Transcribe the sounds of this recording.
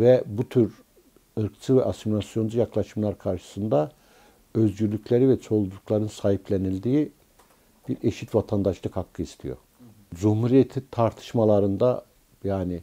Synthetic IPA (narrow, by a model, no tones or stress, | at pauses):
vɛbut̪ʰyɾ | ɯɾkt͡ʃ̪ʰɯvɛʔasimilʲˠasjo̞nd͡ʒujaklˠaʃɯmlˠaɾkʰaɾʃɯ̥sɯnd̪a | øzɟyɾlʲycʰʲlʲeɾivɛt͡ʃʰo̞lˠd̪uklˠaɾɯnsaːiplʲenilʲd̪iː | b̥iɾeʃit̪vat̪ʰand̪aʃlˠɯkhakʰːɯist̪ʰḭjo̞̰ | d͡ʒumhuɾijet̪ʰit̪ʰaɾt̪ʰɯ̥ʃmalˠaɾɯnd̪a | jaːnɪ